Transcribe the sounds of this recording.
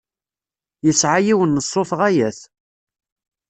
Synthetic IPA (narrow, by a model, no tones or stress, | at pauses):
jəsʕajiwənːəsˤːoθʁæjæθ